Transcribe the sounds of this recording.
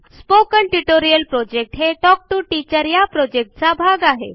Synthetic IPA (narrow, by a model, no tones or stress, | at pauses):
spokəɳʈuʈoɾijəlpɾod͡ʑek̚ʈɦeʈɔk̚ʈuʈit͡ɕəɾjapɾod͡ʑek̚ʈ̚t͡sabʱaɡaɦḛ